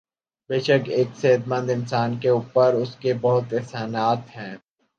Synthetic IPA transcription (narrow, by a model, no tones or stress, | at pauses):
beːʃəkeːkseɦət̪mə̃nd̪ɪ̃nsaːnkeuːpəɾʊskebɐɦʊt̪ɪɦsaːnaːt̪ɦɛ̃ː